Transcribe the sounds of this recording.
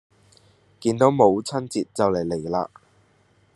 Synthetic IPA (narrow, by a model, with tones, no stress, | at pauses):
kiː˧nt̪o˨˥wmo˨˧wt͡sʰɐ˥nt͡siː˨t̚t͡sɐ˨wle˨˩jle˨˩jlaː˧